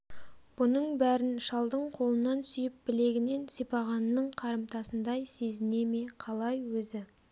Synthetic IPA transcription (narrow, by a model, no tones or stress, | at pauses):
b̥ʊnəɴbæɾɪnʃɑlˠd̪əɴqʰo̞lˠənɑnsʏjɪp̚bɪle̞ɡʲɪne̞nsipɑʁɑnːəɴqʰɑɾəmt̪ɑsənd̪ɑjse̞zɪne̞me̞qʰɑlˠɑjwɵzɪ